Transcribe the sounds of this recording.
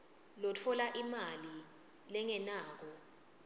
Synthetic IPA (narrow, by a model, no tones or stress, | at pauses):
lɔtʰɔlaʔimali | lɛŋɛnaːk̬ɔ